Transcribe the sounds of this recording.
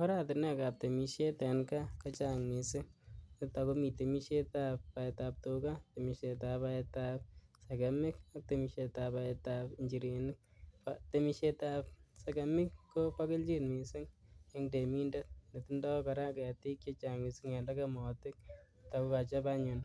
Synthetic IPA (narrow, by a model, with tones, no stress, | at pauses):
ɔ˦ɾa˦tɪ˨nɛ˦ka˨p̚te˨mi˨ʃe˦tɛ˨nka˦ka˦t͡ʃa˨ŋmi˨sɪ˦ŋɪ˦ta˨ko˦mi˨te˨mi˦ʃe˦ta˦pːa˨ɛtap̚to˧ka˦te˨mi˨ʃe˧ta˨pa˧ɛ˧ta˦p̚se˨kɛ˨mɪ˦ka˦k̚te˨mi˨ʃe˧ta˨pa˧ɛ˧ta˨pɪɲd͡ʒi˨ɾi˨nɪ˦k̚pate˦mi˦ʃe˦ta˦p̚sɛ˨kɛ˨mɪ˦kːo˦pa˦kɪ˦lt͡ʃi˦nmi˨sɪ˦ŋe˦ŋde˨mi˦ndɛ˦t̚ne˨ti˦ndɔ˦ka˨ɾa˦ka˨ti˦kt͡ʃe˦t͡ʃa˨ŋi˨sɪ˦ŋɛ˨la˦kɛ˦mɔ˨tɪ˦k̚ | ta˨ku˦ka˨t͡ʃa˦pa˦ɲʊ˨n